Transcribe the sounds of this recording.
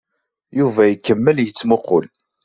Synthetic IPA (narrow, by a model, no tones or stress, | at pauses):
juvæjəkːəmːəljət͡sːmoqʊ̰l